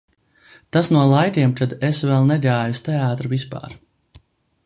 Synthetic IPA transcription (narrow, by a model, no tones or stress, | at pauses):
t̪asnuɔlˠajt̪ʲiɛmt̪ʰad̪esvɛlˠnɛɡaːjust̪ɛaːt̪ɾuvispa̰ːɾ